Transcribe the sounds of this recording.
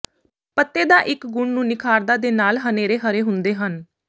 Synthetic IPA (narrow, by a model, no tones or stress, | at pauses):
pət̪ːeːd̪aːʔɪkɡʊɳnũːnɪkʰaːɾd̪aːd̪eːnaːlɦəneːɾeːɦəɾeːɦʊnd̪eːɦən